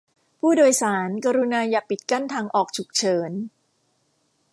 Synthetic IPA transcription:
pʰuː˥˩doː˧jsaː˩˦nkaː˧ɾu˧naː˧jaː˨˩pi˨˩t̪̚ka˥˩nt̪ʰaː˧ŋʔɔː˨˩k̚t͡ɕʰu˨˩k̚t͡ɕʰɤː˩˦n

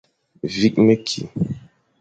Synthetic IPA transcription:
vi˦kme˦kʰḭ˨

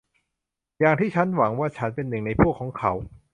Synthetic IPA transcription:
jaː˨ŋt̪ʰiː˥˩t͡ɕʰa˦˥nwa˩˦ŋwaː˥˩t͡ɕʰa˦˥npe˧nːɯ˨˩ŋna˧jpʰu˥˩əkʰːɔː˩˦ŋkʰa˩˦w

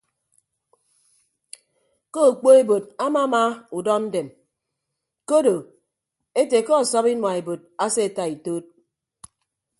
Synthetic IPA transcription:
ko˦o˨k͡po˦e˦bo˨d̚a˦ma˦ma˦u˨dɔ˦n̩˦de˨m | ko˦do˨ | e˦te˨kɔ˦ɔ˨sɔ˦pi˦nwa˨e˨bo˨d̚a˦se˦e˨ta˨i˨toː˦t̚

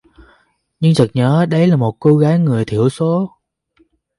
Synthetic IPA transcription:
ɲɨ˧ŋt̪ʰə˨˩k̚ɲəː˨˦ɗə˧jlaː˨˩mo˨˩t̚ko˧ɣaː˨˦jŋɨ˨˩əjt̪ʰi˧˩əwso˨˦

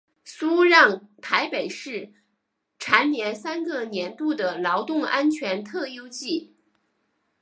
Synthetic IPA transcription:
su˥ɻɑ˥˩ŋt̪ʰa˧˥ɪpe˨˩ɪʂɻ̩˥˩ | ʈ͡ʂʰa˧˥nnjɛ˧˥nsa˥nɡə˧njɛ˧˥nt̪u˥˩d̪ə˩lɑ˧˥ʊt̪ʊ˥˩ŋa˥nt͡ɕʰɥɛ˧˥nt̪ʰɤ˥˩jo˥ʊt͡ɕi˥˩

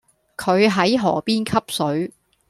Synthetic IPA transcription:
kʰɵ˨˧ɥɦɐ˨˥jɦɔː˨˩piː˥nkʰɐ˥p̚sɵ˨˥ɥ

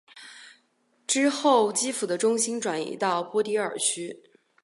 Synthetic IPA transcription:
ʈ͡ʂɻ̩˥xo˥˩ʊt͡ɕi˥fu˨˩d̪ə˦ʈ͡ʂʊ˥ŋɕi˥nʈ͡ʂwa˨˩nḭ˧˥t̪ɑ˥˩ʊpwɔ˥t̪i˧˥ə̰˞˨˩t͡ɕʰy˥

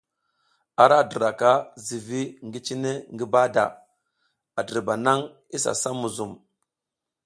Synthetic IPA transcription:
a˨ɾa˦˨də˨ɾa˨ka˦zi˨vi˦ŋɡi˦t͡ʃi˦ne˦ŋɡi˦ba˦da̰˨ | a˨də˨ɾba˨na˦ŋ | i˦sa̰˨sa˦mu˨zu˨m

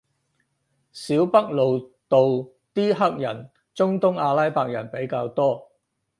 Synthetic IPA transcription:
siː˨˥wpɐ˥k̚lo˨wt̪o˨w | t̪iː˥ɦɐ˥k̚jɐ˨˩n | t͡sʊ˥ŋt̪ʊ˥ŋaː˧lɐ˥jpaː˧˨k̚jɐ˨˩npe˨˥jkaː˧wt̪ɔː˥

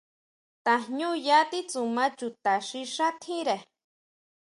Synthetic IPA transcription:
t̪ahɲu˦ja˦t̪i˦t͡su˨ma˦t͡ʃu˧t̪a˨ʃi˦ʂat̪ʰi˦ɾe˨

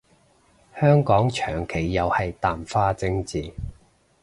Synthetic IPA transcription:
hœː˥ŋkɔː˨˥ŋt͡ʃʰœː˨˩ŋkʰe˨˩jːɐ˨˧whɐ˨jt̪aː˨mfaː˥t͡sɪ˥ŋt͡siː˨

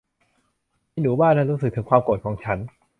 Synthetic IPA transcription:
ma˥˩jnuː˨˦baː˥˩nːaː˥˩ɾuː˦˥s̬ɯ˨˩k̚t̪ʰɯ˩˦ŋkʰwaː˧mko˨˩t̪̚kʰɔː˩˦ŋt͡ɕʰa˦˥n

